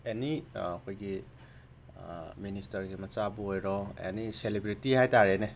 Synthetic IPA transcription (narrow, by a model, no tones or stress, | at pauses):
eniakʰojɡi | ministɐɾɡimɐt͡ʃabuɦojɾɔḛniselibɾitihajtaɾene